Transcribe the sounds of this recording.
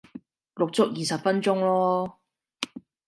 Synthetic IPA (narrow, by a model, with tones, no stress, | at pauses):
lʊ˨k̚t͡sʊ˥k̚jiː˨sɐ˨pfɐ˥nt͡sʊ˥ŋlɔː˥